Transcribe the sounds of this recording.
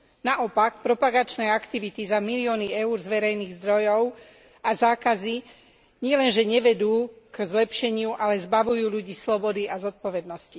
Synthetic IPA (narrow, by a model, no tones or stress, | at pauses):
naʔɔpakpɾɔpaɡat͡ʃnɛːakt̪iʋit̪izamiliɔːniɛuːɾzʋɛɾɛjniːɣzd̪ɾɔjɔʊ | azaːkazi | ɲɪɛlɛnʒɛɲɛʋɛd̪uːkzlɛpʃɛɲɪuʔalɛzbaʋujuːʎuɟiːslɔbɔd̪iazɔt̪̚pɔʋɛd̪nɔsci